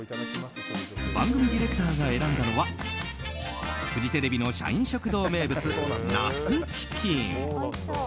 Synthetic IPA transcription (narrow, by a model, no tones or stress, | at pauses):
bãŋɡɯ̟mʲid̪ʲiɾe̞kɯ̥t̪aːɡae̞ɾãnd̪ano̞βa | ɸɯ̟d͡ʑit̪e̞ɾe̞bʲino̞ɕa̰ĩɰ̃ɕo̞kɯ̟d̪o̞ːme̞ːbɯ̟t͡sɨna̰sɨt͡ɕi̥kʲʰĩŋ